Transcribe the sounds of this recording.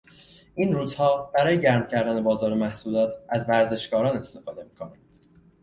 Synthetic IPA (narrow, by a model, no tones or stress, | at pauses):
ʔiːnɾuːz̥hɒːb̥æɾɒːje̞ɟæɾmcʰæɾd̪æne̞bɒːzɒːɾemæhsuːlɒːt̪ʰæzvæɾze̞ʃkɒːɾɒːne̞st̪e̞fɒːd̪e̞miːkʰo̞nænd̪̥